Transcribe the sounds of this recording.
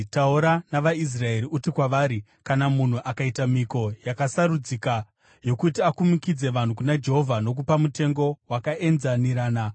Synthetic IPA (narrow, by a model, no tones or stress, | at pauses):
tauɾanaʋais̬rae̞ɾiutikwaʋaɾi | kanamun̤uʔakaitamiko̞jakasaɾud͡zika | jo̞kutiakumikid͡ze̞ʋan̤ukunad͡ʒe̞ɦo̞vʱano̞k̬upamute̞ŋɡo̞wakae̞nzaniɾaːna